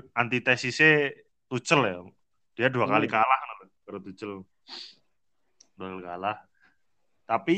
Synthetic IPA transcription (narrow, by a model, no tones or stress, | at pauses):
ʔant̪it̪ɛsise | t̪ut͡ʃəlj | d̥iaduakalikalahnalu | kəɾt̪ut͡ʃəl | d̥uakalikalah | t̪api